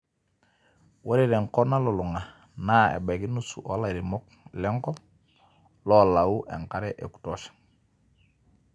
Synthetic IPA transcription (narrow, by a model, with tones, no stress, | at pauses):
wa˦ɾe˦˨ɾɛ˨ŋkɔ˦na˦lo˨lu˨ŋa˨ | naː˦ḛ˨ba˨ki˦nu˦sṵ˨ʔɔ˦la˦˨ɾi˨mɔ˦k̚ | lɛ˦ŋkɔ˦ | lɔ˦la˨u˦ʔɛ˨ŋka˦ɾɛ˦ʔḛ˨ku̥˨tɔ˦ʃḁ˨